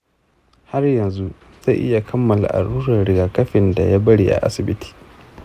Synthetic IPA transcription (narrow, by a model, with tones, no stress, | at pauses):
ha˦rjɐ˨nzu˦ | z̥a˦ʔɪ̰˦ja˨kʰɐ˦mːɐ˨la̰˨ʔa̰˨ɽuː˦ɾɐ˨ɽɪ˨ɡaː˨kɐ˦ɸɪ˨nda̰˨ja˦bɐ˦ɽḭː˦ʔa̰˨ʔa̰˦sɪ˨bɪ˦tʰi̥ː˨